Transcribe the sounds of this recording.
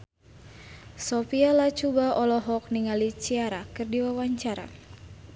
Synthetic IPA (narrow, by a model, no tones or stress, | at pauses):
sɔfialat͡ʃubaɔlɔɦɔk̚niŋalit͡ʃiaɾakɨrdiwawaɲt͡ʃaɾa̰